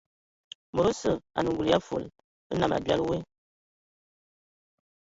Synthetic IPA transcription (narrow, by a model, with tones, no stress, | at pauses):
mə˨ɾo˦sə˦˨a̰˨nə˨ŋɡu˨lja˦fo̰˨l | ə˦na˨ma̰˨bi˦a̰˦lwe˦